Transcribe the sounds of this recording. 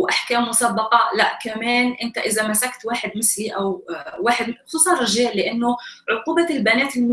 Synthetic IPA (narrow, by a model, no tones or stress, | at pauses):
ʔaħkaːmːʊsabːɑqɑlaʔkameːnʔɪnt̪aʔɪzamasakt̪waːħɪd̪mɪθliʔawwaːħɪd̪̚mxʊsˤuːsˤɑnrɑʒeːlːɪʔanːʊʕʊquːbalbanæːt̪ɪ